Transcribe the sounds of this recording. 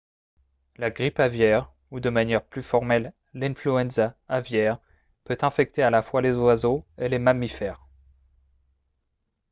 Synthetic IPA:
laɡʁipavjɛʁ | ud̪əmanjɛʁplyfɔʁmɛl | lɛ̃flyɛ̃nzaːvjɛʁ | pøt̪ɛ̃fɛk̚t̪ealafwalezwazoelemamifɛːʁ

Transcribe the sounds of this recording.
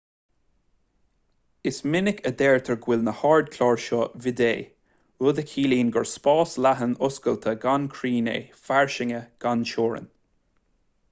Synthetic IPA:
ɪsmɪnɪkʰəd̪ɛːɹt̪ʰəɹɡwɪlnəhɑːɹd̪̚kʰlɑːɹʃɔvɪd̪eː | ʊd̪əkʰiːliːnɡɔɹspɑːslaɦənʊskəlt̪ʰəɡankʰɹiːnḛːfaɹʃɪŋəɡ̥anʃoːɹə̰n

